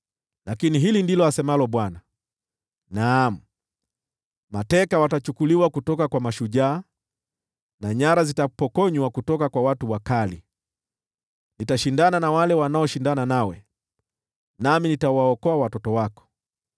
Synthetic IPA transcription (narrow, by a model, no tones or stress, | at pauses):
lakiniɦilindilɔasɛmalɔɓwana | nam̩ | matɛkawatat͡ʃukuliwakutɔkakwamaʃuʄaː | naɲaɾazitapɔkɔɲwakutɔkakwawatuwakalḭ | nitaʃindananawalɛwanaɔʃindananawɛ | naminitawaɔkɔawatɔtɔwakɔ̥